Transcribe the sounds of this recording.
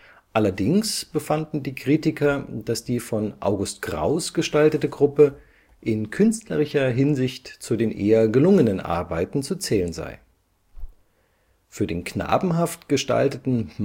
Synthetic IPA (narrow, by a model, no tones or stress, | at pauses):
ʔalɐdɪŋsb̥əfandn̩diːkʁ̥iːtɪkʰɐd̥asd̥iːfɔnʔa̰ʊɡʊstɡ̥ʁa̰ʊsɡ̥əʃtaltətəɡʁʊpə | ʔɪnkʰʏnstlɐ̰ʁɪçɐɦɪnzɪçtt͡sudeːnʔeːɐɡəlʊŋənənʔa̰ɐbaɪtn̩t͡sut͡sɛːlənza̰ɪ | fyːɐdeːnkna̰ːbm̩ɦaftɡ̥əʃta̰ltətn̩m